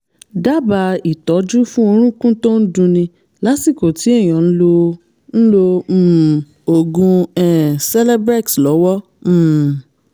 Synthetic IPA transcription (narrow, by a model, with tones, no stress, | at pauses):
da˦˨ba˧i˨tɔ˨˦d͡ʒu˦fũ˦o˧ɾ̃ũ˦kũ˦tõ˦n̩˦dũ˧nĩ˧ | la˨˦si˦˨ko˨ti˨˦ɛ˦˨j̃ɔ̃˨n̩˦lo˧ | n̩˦lo˧˦˨ | o˨ɡũ˧ɛ˦˨sɛ˦lɛ˦bɾɛ˦˨tslɔ˨˦wɔ˦ | m̩˦˨